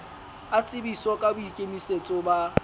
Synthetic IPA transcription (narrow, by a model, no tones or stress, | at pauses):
at͡sʼɪbisɔkʼabʊikʼemiset͡sʼʊba